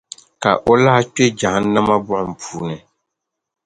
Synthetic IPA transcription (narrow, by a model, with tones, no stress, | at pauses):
ka̰˨ʔo˦la˦a˦k͡pe˦d͡ʒa˨ha˦n̩˦na˦ma˦bʊ˦ʔʊ˨m̩˨pʰu̥ː˦nɨ˨